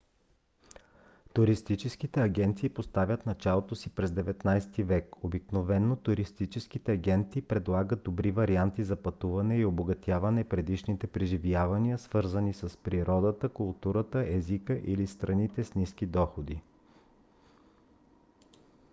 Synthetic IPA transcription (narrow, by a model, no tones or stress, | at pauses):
t̪uɾist̪it͡ʃɛskit̪ɛɐɡʲɛnt̪siːpost̪avʲjət̪nɐt͡ʃalˠot̪osipɾɛzd̪ɛvɛt̪najst̪ivɛkobiknovɛnːot̪uɾist̪it͡ʃɛskit̪ɛɐɡʲɛnt̪iːpɾɛd̪lˠaɡət̪̚d̪obɾivɐɾiant̪izɐpɐt̪uvɐnɛioboɡɐt̪ʲjavɐnɛpɾɛd̪iʃnit̪ɛpɾɛʒivjavɐniəsvɤɾzənisɐspɾiɾɔd̪ət̪əkʊlˠt̪uɾət̪əʔɛzikəʔilist̪ɾɐnit̪ɛsnisk̟id̪ɔxod̪i